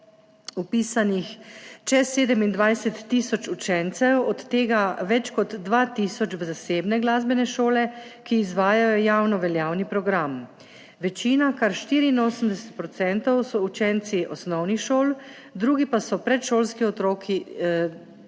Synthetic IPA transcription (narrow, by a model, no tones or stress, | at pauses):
upiːsanixt͡ʃɛseːd̪əmind̪ʋajsɛt̪ːisɔt͡ʃut͡ʃɛnt̪sɛwɔt̪ːeːɡaʋɛt͡ʃkɔd̪ːʋaːt̪iːsɔt͡ʃʋzaseːbnɛɡlaːzbɛnɛʃoːlɛkiːzʋaːjajɔjaːwnɔʋɛljaːwnipɾɔɡɾam | ʋɛt͡ʃiːnakaɾʃt̪iːɾiːnoːsəmd̪ɛsɛ̥t̪̚pɾɔt̪sɛnt̪ɔwsɔut͡ʃɛnt̪siʔɔsnɔwnixʃoːl | d̪ɾuːɡipasɔpɾɛt̪ʃoːlskiɔt̪ɾoːkʰi